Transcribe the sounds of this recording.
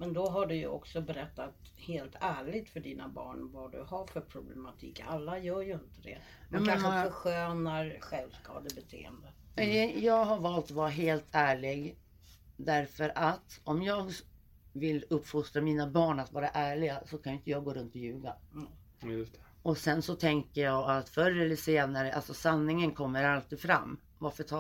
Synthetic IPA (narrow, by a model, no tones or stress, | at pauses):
mɛnd̪ɔɦaɖɵjɵ̰ɔ̰ksɔbɛɾɛt̪ːat̪ | heːlt̪ʰæːɭɪɡ̚t̪fœɖiːna̰bɑ̰ːɳvad̪ɵ̰haɾfœɾpʰɾʊblɛmat̪ʰḭːkːa̰lːajœːɾjɵɪnt̪əd̪ɛ̰ | mɛmkanɧøːnaɾɧɛlvskɑ̰ːd̪əbɛt̪ʰḛːə̰nd̪ə | jɑːɡɦaɾvɑːlt̪ɔvɑːɾaɦeːlt̪ʰæːɭɪɡ | d̪æɾfœɾʔat̪ɔmjɑːɡ | vɪlɵpːfʊst̪ɾamiːnabɑːɳat̪vɑːɾaʔæːɭɪɡasɔkʰanjʏʏnt̪əjɑːɡoːɾɵnt̪ɔjʉ̟ːɡa | ɵt̪ | ɔsɛnsɔt̪ʰɛŋkəjɑːɡat̪fœɾːəɛlːəʂeːnaɾəʔa̰lsɔsanːɪŋənkʰɔmːəɾalt̪iːd̪fɾa̰mː | vaɾfœt̪ʰɑ